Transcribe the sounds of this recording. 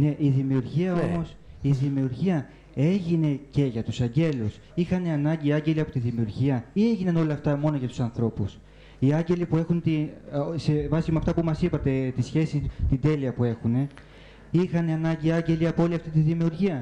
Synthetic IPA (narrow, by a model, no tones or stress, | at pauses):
ne̞ʔiðimiuɾʝiɐo̞mo̞s | iðimiuɾʝiɐ | e̞ʝine̞ce̞ʝɐt̪usɐɲɟe̞lus | ixɐneɐnɐɲɟiːɐɲɟe̞liɐpo̞t̪iðimiuɾʝiɐie̞ʝinɐno̞lɐːft̪ɐmo̞noʝɐt̪u̥sɐnθɾo̞pus | iɐɲɟe̞lipue̞xunt̪ise̞vɐsimeɐft̪ɐpumɐsipɐt̪e̞t̪isçe̞sit̪ind̪e̞liɐpue̞xune̞ | ixɐneɐnɐɲɟiɐɲɟe̞liɐpoo̞liɐft̪it̪iðimiuɾʝiɐ